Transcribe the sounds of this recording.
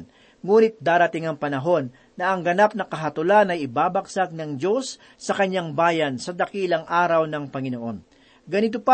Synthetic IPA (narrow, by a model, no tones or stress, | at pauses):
n | ŋuːnɪt̪̚d̪aːɾɐt̪ɪŋɐŋpɐnɐɦo̞nːɐɐŋɡɐnap̚nɐkɐɦɐt̪ʊlanɐjɪbaːbɐksaɡ̚nɐŋd͡ʒo̞sː | ɐkɐɲːaŋbaːjɐnsɐd̪ɐkiːlɐŋʔaːɾɐwnɐŋpɐŋɪno̞ʔo̞n | ɡɐnɪt̪opa